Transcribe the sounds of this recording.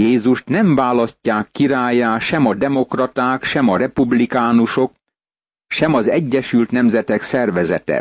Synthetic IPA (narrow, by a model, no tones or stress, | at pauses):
jeːzuʃt̪nɛɱvaːlɒscːaːkːiɾaːjaːʃɛmɒd̪ɛmo̞krɒt̪aːkʃɛmɒɾɛpublikaːnuʃo̞k̚ | ʃɛmɒzɛɟːɛʃylt̪nɛmzɛt̪ɛksɛrvɛzɛ̰t̪ɛ̰